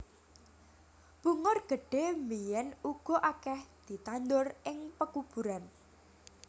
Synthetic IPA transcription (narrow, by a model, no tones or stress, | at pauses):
b̥uŋʊrɡ̥ə̤ɖ̥e̤mijɛnuɡ̥ɔ̤ʔakɛhd̪̥i̤t̪and̪ʊrɪŋpəkub̥ṳɾan